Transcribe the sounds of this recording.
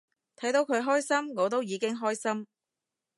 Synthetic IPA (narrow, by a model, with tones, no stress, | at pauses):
t̪ʰɐ˨˥jt̪o˨˧wkʰɵ˨˧ɥɦɔː˥jsɐ˥mŋɔː˨˧t̪̬o˥wjiː˨˧kɪ˥ŋɦɔː˥jsɐ˥m